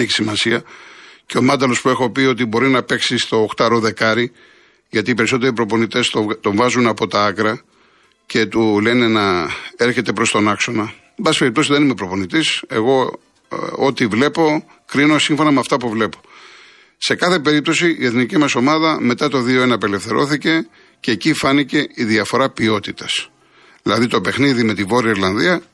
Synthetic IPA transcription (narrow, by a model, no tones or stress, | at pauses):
eçi̥simɐsiɐceo̞mɐnd̪ɐlo̞spue̞xo̞pio̞t̪̬ibo̞ɾinɐpe̞ksist̪o̞ːxt̪ɐɾoðe̞kɐɾi | ʝɐt̪iːpe̞ɾiso̞t̪e̞ɾipɾo̞po̞nit̪e̞st̪ot̪o̞ɱvɐzunɐpo̞t̪ɐɐkɾɐ | ce̞t̪ule̞ne̞nɐe̞ɾçe̞t̪e̞pɾo̞st̪o̞nɐkso̞nɐ | bɐsi̥peipt̪o̞sizðe̞nime̞pɾo̞po̞nit̪ise̞̰ɣo̞ | ot̪ivle̞po̞ | kɾino̞siɱfo̞nɐmeɐft̪ɐpuvle̞po̞̥ | se̞kɐθe̞pe̞ɾip̚t̪o̞siʔie̞θnicimɐso̞mɐðɐme̞t̪ɐt̪o̞ðio̞e̞nɐpe̞lefθe̞ɾo̞θice̞ | ceːcifɐnice̞iðiɐfo̞ɾɐpio̞t̪it̪ɐs | ðilɐðit̪o̞pe̞xniðime̞t̪ivo̞ɾiɐiɾlɐnðiɐ